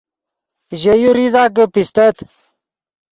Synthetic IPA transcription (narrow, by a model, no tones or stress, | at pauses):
ʑəjuɾizaːɡəpist̪ət̪